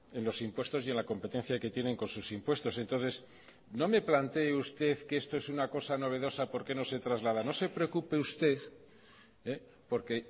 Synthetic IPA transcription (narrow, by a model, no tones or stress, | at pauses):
e̞nlo̞simpwe̞st̪o̞sie̞nlako̞mpe̞t̪e̞n̟θjake̞t̪je̞ne̞ŋko̞nsusimpwe̞st̪o̞se̞nt̪o̞nθe̞s | no̞me̞plant̪e̞ːust̪e̞θkeest̪o̞esunako̞sano̞β̞e̞ðo̞sapo̞ɾke̞no̞se̞t̪ɾazlað̞ano̞se̞pɾeokupe̞ust̪e̞θ | e | po̞ɾke̞